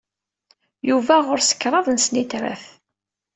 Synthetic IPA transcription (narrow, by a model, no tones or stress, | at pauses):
juvæʁʊɾsə̥kːɾˤɑðˤnsnit̪ɾæ̰θ